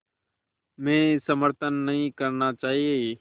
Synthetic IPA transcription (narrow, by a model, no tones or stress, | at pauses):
mẽːsəməɾt̪ənːəɦĩːkəɾnaːt͡ʃaːɦieː